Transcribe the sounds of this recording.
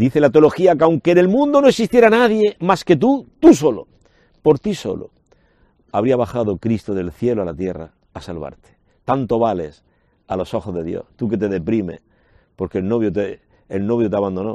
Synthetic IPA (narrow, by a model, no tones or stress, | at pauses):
d̪iθe̞lat̪eolo̞xiakawŋke̞ne̞lmũnd̪o̞noeksist̪jeɾanaðje̞maske̞t̪̬ut̪us̬o̞lo̰ | po̞ɾt̪iso̞̰lo̰ | aβ̞ɾiaβ̞axað̞okɾist̪oðe̞lθje̞loalat̪je̞ra̰ːsalβa̰ɾt̪e̥ | t̪ant̪o̞βale̞s | alo̞so̞xozðe̞ðjo̞̰st̪uke̞t̪e̞ðe̞pɾime̞̰ | po̞ɾkelnoβ̞jot̪eː | lno̞β̞jot̪eaβand̪o̞no̞